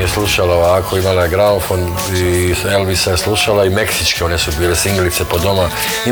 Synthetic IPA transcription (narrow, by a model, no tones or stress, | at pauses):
jesluʃalaoaakʰoimalajeɡɾaunfon | ielbisaje̞sluʃalaime̞ksit͡ʃkeo̞ne̞subiːle̞siŋɡelit̪se̞po̞d̪o̞ma | i